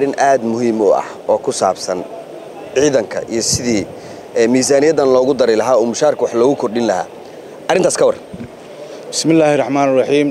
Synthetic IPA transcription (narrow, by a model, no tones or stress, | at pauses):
rɪnʔaːd̪mʊɦiːmɔɐ̰h | ɔːkʰʊsa̰ːbsɐn | ʕiːðɐŋkʰɐ̰ʔḭjɞsɪðiː | ɛːmiːsaːnɪjɐd̪ɐnlɔːɣʊd̪ɐɾɛlɐɦaːɔːmʊʃaːrkʰʊwɑħlɔːɣʊkʰɔrɗɪnlɐha̰ː | ʔɐrɪnt̪ʰaːskʰɐwɑrɐn | bɪ̥smɪlːaːhɪrˤːɑħmaːnɪrˤɑħiːm